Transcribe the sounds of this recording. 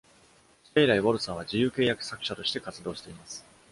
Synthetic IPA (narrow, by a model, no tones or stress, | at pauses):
t̪aiɾaiβoɾɯ̟sãɰ̃βad͡ʑijɯ̟ːke̞ːjakɯ̟̥sakɯ̟ɕat̪o̞ɕi̥t̪e̞kat͡sɨd̪o̞ːɕi̥t̪e̞imasɨ̥